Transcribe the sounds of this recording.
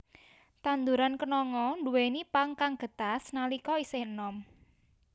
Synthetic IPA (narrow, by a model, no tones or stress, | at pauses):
t̪and̪uɾankənɔŋɔnduwenipaŋkaŋɡ̥ə̤t̪asnalikɔisɪhənɔm